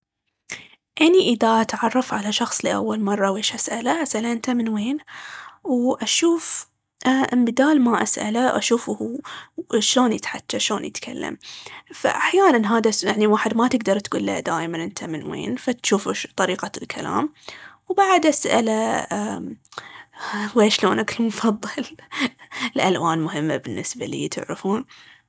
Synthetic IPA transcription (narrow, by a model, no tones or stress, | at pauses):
ʔaniʔɪðaʔat̪ʕɑrˤːɑfʕalaʃɑxsˤliʔa̰wːalmɑrˤːɑweːʃʔasʔalaʔasʔalʔɪnt̪amɪnweːnwʔaʃuːf | ʔambɪd̪aːlmaʔa̰sʔa̰laʔa̰ʃuːfhu | ʃloːnjɪt̪ħatːaʃloːnjɪt̪kʰa̰lːa̰mfa̰ʔaħjaːnanɦaːðajaʕniwaːħɪd̪mat̪ɪɡd̪ɑɾˤt̪ɡuːlːa̰d̪aːjmanʔɪnt̪ʰamɪnwḛːnfat̪ʃuːft̪ˤɑɾiːqalkʰala̰ːmwbaʕad̪ʔasʔa̰laa | weːʃloːnakɪlmʊfɑðˤːɨl | lʔalwaːnmʊɦɪmːabɪnːɪsba̰lḭːt̪ʰɪ̰ʕɾɪfuːn